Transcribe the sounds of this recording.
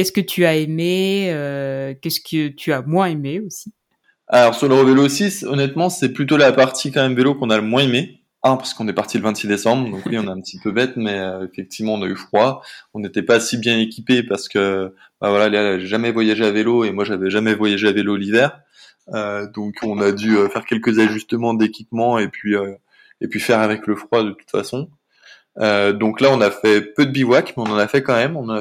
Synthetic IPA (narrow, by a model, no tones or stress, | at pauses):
kɛskət̪ʰyaemeøkʲɛskət̪ʰyamwɛ̃emeosi | a̰lɔʁsyʁləʁəvelosisɔnɛt̪mɑ̃sɛplyt̪olapaʁt̪ʰikɑ̃mɛmvelokɔ̃naləmwɛ̃eme | ɛ̃paʁsə̥kɔ̃nɛpaʁt̪iləvɛ̃t̪sid̪esɑ̃bʁd̪ɔ̃kwiɔ̃neɛ̃pət̪ipøbɛt̪mɛøefɛk̚t̪ʰivmɑ̃ɔ̃nayfχwaɔ̃net̪ɛpasibjɛ̃ekʲipepaʁsə̥kə | bavwalalaʒeʒamɛvwajaʒeaveloemwaʒavɛʒamɛvwajaʒeavelolivɛːʁ | ød̪ɔ̃kʰɔ̃nad̪yøfɛʁkʲɛlkəzaʒyst̪əmɑ̃d̪ekʲipmɑ̃epɥiø | epɥifɛʁavɛkləfχwad̪ət̪u̥t̪fa̰sɔ̃ | ød̪ɔ̃klaɔ̃nafɛpød̪əbivwakmɛɔ̃nɑ̃nafɛkɑ̃mɛmɔ̃nɑ̃na